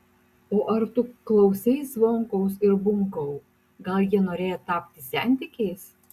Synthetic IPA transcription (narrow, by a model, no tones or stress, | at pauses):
oːʔɐɾt̪ʊklˠɐʊsʲɛɪsʋoːŋkɐʊsɪɾbʊŋkɐʊ | ɡɐlˠjiɛnoːɾʲeːjɛt̪ɑːpʲt̪ʲɪsʲænʲt̪ʲɪkʲɛɪs